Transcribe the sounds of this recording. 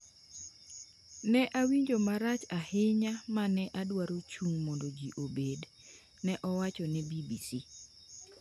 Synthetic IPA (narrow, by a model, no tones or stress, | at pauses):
nɛʔawiɲd͡ʒomaɾat͡ʃahɪɲamanɛʔadwaɾot͡ʃuŋmɔndod͡ʒiʔobed | nɛʔɔwat͡ʃɔnɛbibisi